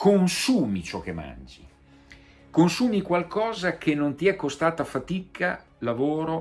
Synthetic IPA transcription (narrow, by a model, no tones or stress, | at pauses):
konsuːmit͡ʃɔk̟ːemːa̰nd͡ʒḭ | konsuːmikwalkʰɔːzak̟enːont̪iɛkːost̪aːt̪afat̪ikʰa | lavoːɾo